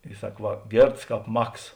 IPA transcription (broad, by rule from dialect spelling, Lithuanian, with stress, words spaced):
ɪ ˈsɐk ˈʋɐ ˈɡʲeːrts ˈkɑːp ˈmɐks